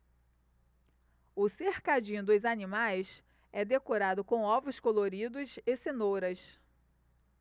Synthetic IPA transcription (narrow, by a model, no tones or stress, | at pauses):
ʊsehkad͡ʒĩd̪ʊzanimajs | ɛd̪ekoɾad̪ʊkõɔvʊskoloɾid̪ʊsesenoɾɐs